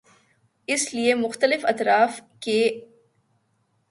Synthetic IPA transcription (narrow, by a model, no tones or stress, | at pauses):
ɪsliemʊxt̪əlɪfɐ̰t̪ɾaːfke